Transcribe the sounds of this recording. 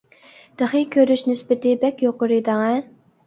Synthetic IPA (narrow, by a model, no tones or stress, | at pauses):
d̪̥əχɨkʲʰøɾyʃnɪsbɪt̪ɪbɛkʲjoqʊɾɨd̪ɑŋɛ